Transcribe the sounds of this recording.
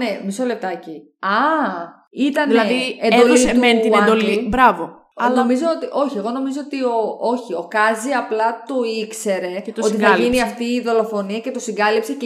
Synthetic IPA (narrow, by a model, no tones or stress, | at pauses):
nemisole̞p̚t̪ɐci | ɐ | it̪ɐnelɐiend̪oliement̪ied̪olibɾɐvo | ɐnomizo̞ot̪iʔo̞çie̞ɣo̞no̞mizo̞ot̪ioo̞çio̞kɐziɐplɐt̪o̞ikse̞ɾe̞o̞tt̪iθliniɐft̪iːðo̞lo̞fo̞niɐce̞t̪o̞siɡɐlipsec